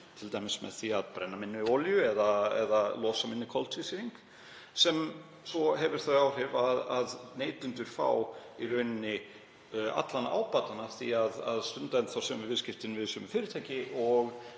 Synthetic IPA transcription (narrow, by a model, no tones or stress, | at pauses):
t̪ʰɪlt̪ajmɪsmɛ̰ðθiaðpɾɛnːamɪnːʏoːljʏɛðaɛ̰ðalɔːsamɪnːɪkʰɔlt̪sisɪɾiŋk | sɛm | sɔɦɛvɪɾ̥θœɥawr̥ɪvaðaðneːjt̪ʏnt̪ʏɾ̥fa̰wirœːɥnɪnːɪ | a̰t̪lana̰ːwpaːt̪anaθiaða̰ðst̪ʏnt̪aɪnθawsɛmvɪvɪðscɪft̪ɪnvɪðsœmʏfɪːɾʏ̥t̪ʰaːjcɪʔɔɣ